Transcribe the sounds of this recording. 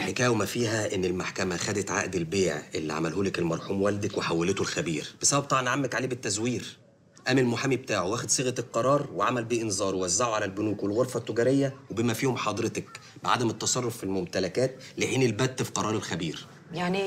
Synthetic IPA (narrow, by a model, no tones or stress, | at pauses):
lħekæːjwemæfiːɦæʔenːelmaħkæmæxæd̪et̪ʕa̰ʔd̪elbeːʕʔelːḭʕa̰mælɦuːlekelmɑɾˤħuːmwæld̪ækweħawːelet̪olxæbḭːɾb̥esæbæb̚t̪ˤɑbʕʔɑnʕamːækʕaleːbet̪ːæzwiːɾ | ʔæmelmoħamibet̪aːʕowʔæːxed̪sˤeɣæt̪elqɑɾˤɑːɾˤweʕamælbiːʔenzˤɑːɾˤwewæzːaʕoʕalælbonuːkwelɣoɾˤfæt̪ːoɡæɾejːæwebemæfiːhomħɑd̪ˤɾet̪ɑk | beʕad̪æmet̪ːɑsˤɑrˤːofːilmomt̪ælækæːt̪ | leʔeːnilbæd̪ːfi̥qɑɾˤɑːɾˤelxæbiːɾ | jani